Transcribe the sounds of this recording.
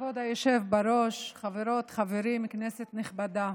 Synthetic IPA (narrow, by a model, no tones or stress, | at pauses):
vod̪ajoʃevbaɾo̞ʃχaveɾo̞t̪χaveɾimkneset̪neχbad̪a